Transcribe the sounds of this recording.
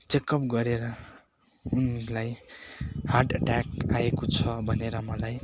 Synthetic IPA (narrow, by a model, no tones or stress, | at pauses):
t͡sekʌp̚ɡʌɾeɾʌ | unlaj | harʈʌʈakaekot͡sʰʌbʱʌneɾʌmʌlaj